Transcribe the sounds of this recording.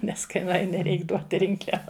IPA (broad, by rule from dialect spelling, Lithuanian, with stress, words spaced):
nʲɛs ˈkɐɪ nʊˈɐɪnʲɪ ˈrʲɛɪk ˈduɔt ˈrʲɪŋklʲɛʋɐ